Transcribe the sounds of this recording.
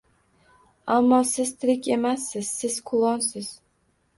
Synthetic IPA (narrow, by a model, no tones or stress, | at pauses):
amːɒsɪzt̪ʰɪɾɪkʲʰe̞masːɪz̥sɪz̥kʰʊlˠɒnsɪz̥